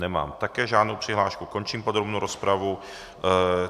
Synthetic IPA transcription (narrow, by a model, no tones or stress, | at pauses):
nɛma̰ːmt̪akɛːʒaːdnowpr̥ɪɦlaːʃkuko̞nt͡ʃiːmpo̞d̪ɾobnowɾospɾavu